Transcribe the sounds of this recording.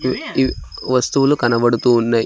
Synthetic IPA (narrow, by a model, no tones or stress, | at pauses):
ʋɐst̪uʋulukɐnɐbɐɽut̪uːnːɐ